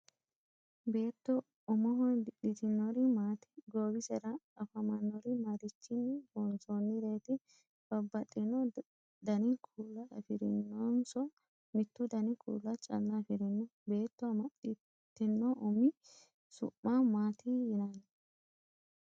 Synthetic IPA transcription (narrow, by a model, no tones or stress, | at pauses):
be̞ːt̪ːɔ | ɔmɔɦɔnd̪ɪᶑɪt̪ɪnːɔɾɪmaːt̪ɪ̥ɡoːbɪsɛɾɐɐfɐmɐnːɔɾɪmɐɾɪt͡ʃːɪnːbɔnsonːɪɾe̞ːt̪ɪ | b̥ɐbːɐt̪ʼːɪnɔ | d̪ɐnɪkʰuːlːɐɐ̰fɪɾɪ̰nːoːnsɔ | mɪt̪ːud̪ɐnɪkʰṵːlːɐt͡ʃʼɐ̰lːɐfɪɾɪnːɔbe̞ːt̪ːɔmɐᶑɪ | t̪ːɪnːɔʔɔmɪ | sʊ̰mːamaːt̪ijɪnan